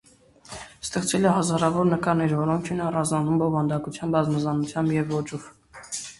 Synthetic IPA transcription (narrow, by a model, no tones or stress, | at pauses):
st̪ɛχt͡svɛlɛɦɑzɑɾɑvɔɾnəkɑɾnɛɾvɔɾɔŋkʰinɑrɑznɑnumbɔvɑnd̪ɑkut͡sʰjɑnbɑzməzɑnut͡sʰjɑmbjɛvːɔt͡ʃɔv